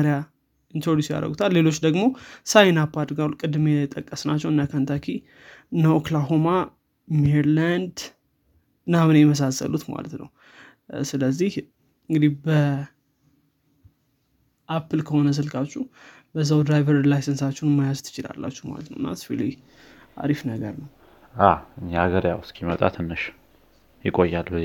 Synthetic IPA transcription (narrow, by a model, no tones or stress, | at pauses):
ɾja | int̪ʰoɾd̪usja̰ɾə̰ɡut̪ʰalːe̞lo̞t͡ʃːd̪əɡmo̞sajnapːad̪ɡalːukʼɨd̪mejɪt̪ʼːəkʼːəsnat͡ʃːɛwɨnːakʰant̪ʰakʰi | nəoklaɦoma | meɾland̪ | namɨnjɛməs̬asːə̰lut̪ma̰lə̰t̪nə̰w | sɨləzːih | ɨŋɡɨd̪ihbə | ʔapːɨlkʰəho̞nəzəlkʼat͡ʃːu | bəzːawd̪ɾajvəɾlajsənsat͡ʃːɛnmːajazt̪ʰɨ̥t͡ʃɪla̰lːa̰t͡ʃːɛhma̰lət̪nə̰wɨnːasfḭli | a̰ɾifnəɡə̰ɾnəw | aɨɲːaaɡəɾjawskʰimət̪ʼa̰t̪ʰɨnːɨʃ | jɪkʼojːalbə